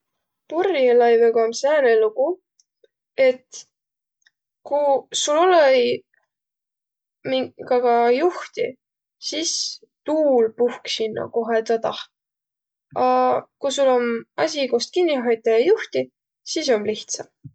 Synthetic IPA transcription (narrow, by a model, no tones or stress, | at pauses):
purjɑlɑjveɡ̥omsæːɾeluɡu | e̞t̪ | kusulolej | miŋɡɑɡ̥ɑjuht̪i | sis | t̪uːlpuhksinːɑ̰ko̞ɦet̪ɑt̪ɑh | ɑkujsulːo̞mɑsʲikost̪̚kinːiɦɑjt̪ːˑɑjɑjuht̪i | sis̬o̞mliht̪sɑm